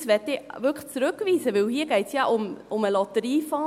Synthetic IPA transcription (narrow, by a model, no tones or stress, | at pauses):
sʋɛtɪvʏkt͡sɾʉkʋiːsəʋɪlhiːəɡ̥ɛɪtsjɑʔʊmʊməlɑt̪əɾiːfɑː